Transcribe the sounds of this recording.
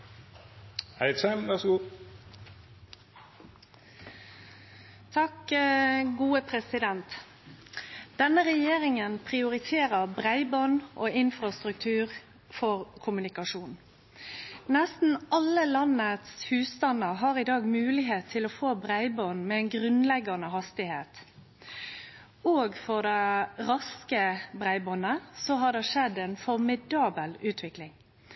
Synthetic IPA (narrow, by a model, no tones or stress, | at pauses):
hæɪsæmʋæʁsɡuː | t̪ʰɑk | ɡuːəpʰɾɛsɪd̪ɛnt̪ | d̪̥ɛnəʁɛjeːʁɪŋənpʰʁɪʊʁɪt̪ʰeːʁəʁbʁæɪbɔnʔoːɪnfʁɑst̪ʁʉk̚t̪ʰʉːʁ | fɔʁkʰʊmʉnɪkɑʂuːn | nɛst̪n̩ɑlːəlɑnːət̪shʉːsst̪ɑnːəɾɦɑɾɪd̪ɑːɡmʉːlɪɦeːt̪ʰːɪlɔfoːbʁæɪbɔnmɛɛɪnɡɾʉnlɛɡɑnəɦɑst̪ɪheːt̪ | oːɡfɔʁd̪æɪɾɑskəbʁæɪbɔnːəsɔɦɑd̪ɛʂɛd̪ɛnfɔʁmɪd̪ɑːbəlʉːt̪ʰʋɪklɪŋ